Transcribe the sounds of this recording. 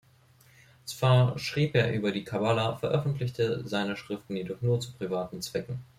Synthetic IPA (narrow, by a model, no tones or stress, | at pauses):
t͡sv̥aːɐʃʁ̥iːpʔeːɐʔyːbɐdiːkʰabalafɛɐʔœfn̩tlɪçtəzaɪnəʃʁ̥ɪftn̩jiːdɔχnuːɐt͡supʁ̥ivaːtn̩t͡sv̥ɛkŋ̩